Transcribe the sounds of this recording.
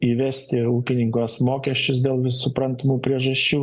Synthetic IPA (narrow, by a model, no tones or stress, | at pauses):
iːʋʲɛsʲt̪ʲɪuːkʲɪnʲɪŋkoːsmoːkʲɛsʲt͡ʃʲʊsd̪ʲeːlˠʋʲɪsʊpɾɐnʲt̪ɐmuːpʲɾʲiɛʒɐʃʲt͡ʃʲuː